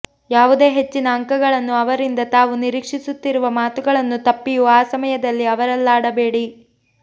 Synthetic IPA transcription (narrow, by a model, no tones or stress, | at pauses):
jaːʋud̪e̞ːɦe̞t͡ʃːinɐːŋkɐɡɐɭɐnːuɐʋɐɾind̪ɐt̪aːʋuniɾiːkʂisut̪ːiɾuʋɐmaːt̪uɡɐɭɐnːut̪ɐpːijuaːsɐmɐjɐd̪ɐlːiɐʋɐɾɐlːaːɽɐbe̞ːɽi